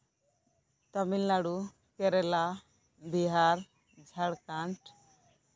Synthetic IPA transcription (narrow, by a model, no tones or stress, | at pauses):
t̪əmilːaɽu | keɾela | biɦaɾ | d͡ʒʱaɽkãɳʈ